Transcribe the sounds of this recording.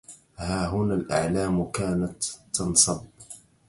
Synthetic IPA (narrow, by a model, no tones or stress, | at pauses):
haːɦʊnaːlʔa̰ʕlaːmkaːnat̪ːɑnsˤɑb